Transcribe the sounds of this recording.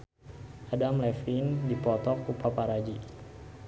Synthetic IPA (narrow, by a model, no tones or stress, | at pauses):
ʔadamlɛfindipɔt̪ɔkupapaɾad͡ʒi